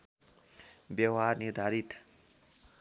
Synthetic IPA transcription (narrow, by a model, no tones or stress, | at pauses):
bjawɦarniɾd̪ʱaɾit̪